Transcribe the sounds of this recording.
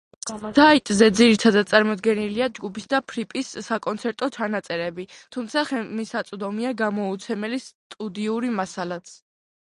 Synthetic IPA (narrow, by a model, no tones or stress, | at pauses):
zait̪ʼzɛd̪ziɾit̪ʰad̪ad̪̚sʼaɾmɔd̪ɡɛniliad͡ʒɡupʰisd̪apʰɾipʼisːakʼɔnt̪sʰɛɾt̪ʼɔt͡ʃʰanat̪sʼɛɾɛbit̪ʰumt̪sʰaχɛmisat̪sʼd̪ɔmiaɡamɔut̪sʰɛmɛlist̪ʼud̪iuɾimasalat̪s